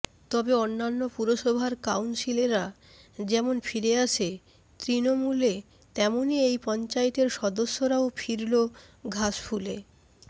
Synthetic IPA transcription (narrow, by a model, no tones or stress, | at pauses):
t̪ɔbeonːanːopuɾoʃɔbʱaɾkawnsileɾa | d͡ʑɛmonfʰiɾeaʃʰe | t̪ɾinomule | t̪ɛmoniejpɔnt͡ɕaet̪eɾʃɔd̪oʃːoɾaofʰiɾlo | ɡʱaʃfule